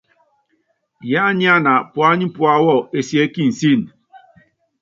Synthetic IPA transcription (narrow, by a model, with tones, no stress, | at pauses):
ja˦ɲɪ˦a˦na˨pʊ˨a˦ɲɪ˦pʊ˦a˦wɔ˦˨e˨si˨˦e˦ki˦n̩˨si˦˨n̩˨